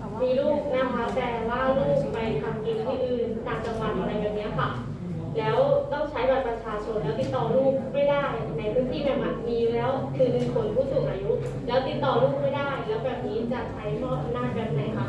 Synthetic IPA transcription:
miː˧luː˥˩k̚na˦˥kʰa˦˥t̪ɛː˨˩waː˥˩luː˥˩k̚ma˨˧˩k̪ʰa˧˩mi˧˩t̪ʰiː˥˩ʔɯː˨˩nt̪aː˨˧ŋt͡ɕa˧ŋwa˨˩t̪ʔa˧ɾa˧jbɛː˨˩p̚ni˦˥ɐkʰa˦˧˩ | lɛː˦˥wt̪ɔ˥˩ŋt͡ɕʰa˦˥jba˨˩t̪̚pɾa˧t͡ɕʰaː˧t͡ɕʰo˧nlɛː˦˥wt̪i˦˥t̪ːɔː˨˩luː˥˩p̚ma˥˩jdaː˥˩j | na˧˩jpʰɯː˦˥ŋt̪ʰiː˥˩bɛː˨˩ma˨˩t̪̚miː˧lɛː˦˥wkʰɯː˧i˧kʰo˧˩npʰuː˥˩su˨˩k̚ʔaː˧ju˦˥ʔ | lɛː˦˥wt̪i˦˥t̪ːɔː˨˩luː˥˩p̚ma˥˩jdaː˥˩jlɛː˦˥wbɛː˨˩p̚niː˦˥t͡ɕa˨˩ʔt͡ɕʰa˦˥jmɔː˥˩p̚ʔa˧mnaː˥˩t̪̚bɛː˨˩p̚na˨˦jkʰa˦˥˩

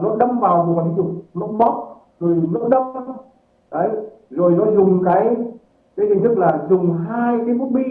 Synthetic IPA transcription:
nɔ˨˦ɗə˧mvaː˨˩wm˨˩k̪ʰːzʊ˨˩ŋ͡m̚mɨ˦˥k̚ɓɔ˦˥t̚ | zo˨˩jɓɨ˦˥ə˦ɗə˧m̚˦ | ɗə˨˦j | zo˨˩jnɔ˨˦zʊ˨˩ŋ͡mkaː˨˦j | kaː˨˦jt͡ɕi˨˩ŋ̟t̪ʰɨ˦˥k̚laː˨˩zʊ˨˩ŋ͡mɦaː˧jkaː˨˦mu˦˥t̚ɓḭ˧

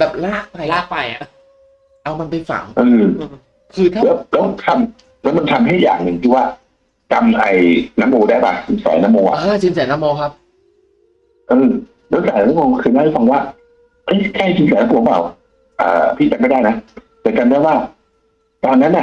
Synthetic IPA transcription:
bɛː˨˩p̚laː˥˩k̚pa˧˩jlaː˥˩k̚pa˧˩jʔa̰˨˩ | ʔa˧wma˧npa˧jfa̰˨˩˦ŋʔɯː˧ | kʰɯː˧˥lɛː˦˥wlɛː˦˥wt̪ʰa˧m | lɛ˦˥wma˧nt̪ʰa˧mɦa˥˩ja̰ː˨˩ŋnɯ˧ŋt̪ʰiː˥˩waː˥˩ | ka˧mʔa˧jna˦˥mʔoː˧daː˥˩jpa˧˩t͡ɕɯ˧˦nsa̰ː˨˦jnaː˦˥mːoː˧ŋʔa̰˨ʔa˧˥˩t͡ɕi˧ns̬aː˩˦na˦˥mːɔː˧ŋkʰa˦˥p̚ | ʔɤː˧ | lɛː˦˥saː˨˩˦ja˧˦aː˦˥mɔː˧ŋkʰɯː˧naː˥˩ʔa˥˩fa˧ŋwaː˥˩ | ʔɤ˦˥˩jkʰa˥˩jsʰi˧˦nsaː˨˦na˦˥moː˧˦˩pa̰˨˩w | ʔa̰ː˨˩pʰiː˥˩t͡ɕa˧mːa˥˩jdaː˥˩jna˦˥ | t̪ɛː˨˩ka˧mndaː˥˩jwaː˥˩ | t̪ɔː˧nːa˦˥nʔa˨˩ʔ

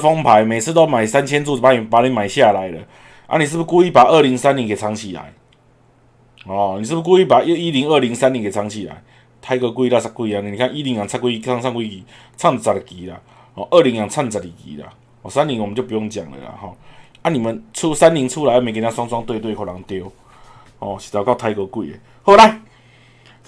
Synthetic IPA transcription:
fɔ˦ŋpʰa˨˧jmẽ˨˩s̩˥˧t̪ɔ˦mã˨˩jsa˦nt͡ɕʰjɛ˦nt͡su˥˨˩pa˧nĩ˨˩˨pa˨˦ɾi˧˦nmã˨˩ɪɕja˥˧˨la˨˦jlə̰˨ | ʔa̰˦˥nĩ˨s̬ɨ˥˧˩pu˧ku˦˧i˦˥pa˨˩ʔə˥˧˨ɾi˨˧˦ŋsa˦nli˨˧ŋkʰe˨˩˨t͡sʰa˧ŋt͡ɕʰi˨˩la̰˨˦j | hɔ˨nĩ˨s̬ɨ˥˧pu˧k̬u˦˧i˦˩pa˨˩˦i˦li˧˦ŋə˥˧˨li˨˧˦ŋsa˦nli˨˦ŋkʰe˨˩a˧˦ŋt͡ɕʰi˨˩la̰˨˦j | t̪ʰa˧ɪkə˧kwi˧ɾa˥˧˩sʰa˦˥kːwi˧˨a˨nĩ˨nĩ˨kʰa˥˧ŋi˦li˧˦ŋja˨ŋt͡sʰa˥˧kwi˦˧a˥˧ŋsʰa˥˧ŋkwi˦˧ki˨˩ | t͡sʰa˥˧ŋ˨˩t͡sa˨˩tki˨˦la̰˨ | hɔ˨ʔə˥˨ɾi˨˦ŋja˨ŋt͡sʰa˥˧ŋ˨t͡sa˨˩i˨˩kḭ˨˦la̰˨ | hɔ˨˩sa˦nli˧˦ŋwmə˨˦t͡ɕjpu˧jɔ˧ŋt͡ɕja̰˨˩ŋḛ˨la̰˨hɔ̰˥˨a˦nĩ˨˩mə˨nt͡sʰu˦sa˦nli˨˦ŋt͡sʰu˦la˨˦a˧˩mẽ˨˧˩ki˧na˧swa˦ŋt͡swa˧˦ŋt̪we˥˧t̪we˥˧˨kʰɔ˨˧˩la˨˦ŋt̪jo˧˦ | hɔ˨˧˩ɕi̥˨t̪a˨˩ka˥˧ʊt̪ʰa˧ɪkə˧kwḭ˧˨ḛ˨˩ | ho˥˧˦ɾa˧˩j

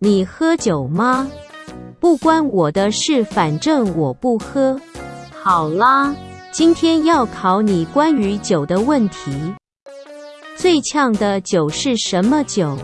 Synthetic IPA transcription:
ni˨˩xɤ˥t͡ɕjo˨˩ʊmɐ˦ | pu˥˩kwa˥nwɔ˨˩d̪ə˦ʂɻ̩˥˩fa˨˩nʈ͡ʂə˥˩ŋwɔ˨˩pu˥˩xɤ˥xɑ˨˩ʊlə˦t͡ɕi˥nt̪ʰjɛ˥njɑ˥˩ʊkʰɑ˧˥ʊni˨˩kwa˥ny˧˥t͡ɕjo˨˩ʊd̪ə˦wə˥˩nt̪ʰi˧˥ | t͡swe˥˧˩ɪt͡ɕʰjɑ˥˩ŋd̪ə˨t͡ɕjo˨˩ʊʂɻ̩˥˩ʂə˧˥nmə˧t͡ɕjo˨˩˦ʊ

